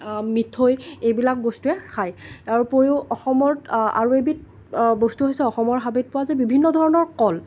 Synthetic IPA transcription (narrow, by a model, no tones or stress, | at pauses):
mitʰːojejbilak̚ɡostuɛkʰajaɹupoɹiʊɔxɔmɔɹa̰ɹuebit̚ | ɡostuɦojsɛɔxɔmɔɹɦabit̚pʊwazɛbibʱinːɔdʱɔɹɔnɔɹkɔl